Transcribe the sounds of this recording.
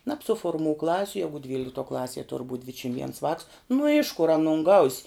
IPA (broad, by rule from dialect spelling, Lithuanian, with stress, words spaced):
nɐpsʊfoːrˈmuː ˈklˠɑːsʲʊ ˈjæːɡʊ ˈdʲʋʲiːlʲɪktuɔ ˈklˠɑːsʲiɛ tʊr buːtʲ ˈdʲʋʲɪtʲʃʲɪm ʋʲiɛns ʋɑːks nʊ ɪʃ kʊr ɐˈnʊn ɡɐʊsʲ